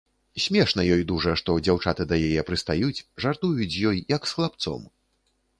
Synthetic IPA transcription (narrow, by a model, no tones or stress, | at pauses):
sʲmʲɛʂnɐjɔjd̪uʐɐʂt̪ɔd͡zʲawt͡ʂat̪ɨd̪ɐjajɛpɾɨst̪ajut͡sʲʐart̪ujut͡sʲjɔjjɐksxlˠap̚t̪sɔ̰m